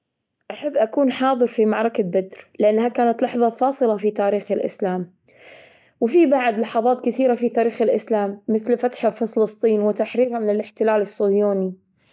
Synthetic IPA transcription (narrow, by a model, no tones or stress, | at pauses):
ʔaħabːʔakuːnħɑːðˤɨɾfimaʕɾˤɑkabad̪ɾlɪʔanːhakaːnat̪lɑħðˤɑfɑːsˤɨlɑfit̪aːɾiːxɪlʔɪ̰slaːm | wɪfibaʕd̪lɑħɑðˤɑːt̪kɪθiːɾafit̪aːɾiːxɪlʔɪslaːmːɪθlfat̪ħafɨlɨst̪ˤiːnwɪt̪aħɾiːɾhamɪnɪlɪħt̪ɪlaːlɪsːojoːni